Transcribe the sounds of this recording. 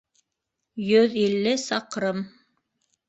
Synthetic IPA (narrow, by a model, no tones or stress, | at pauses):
jɵðilːɘsɑqɾɤm